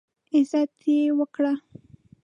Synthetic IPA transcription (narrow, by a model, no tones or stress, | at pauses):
ɪzɑt̪ʰewəkɽa